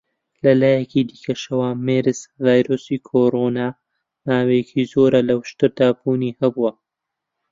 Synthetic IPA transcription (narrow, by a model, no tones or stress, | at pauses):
lɐlaːjɛkʰiːd̪iːkʰɐʃɐwaːmeːɾɨzvaːjɾoːsiːkʰoɾoːnaː | maːwecʰiːzoːɾɐlɐwʃt̪ɨɾd̪aːbuːniːhɐbuwɐ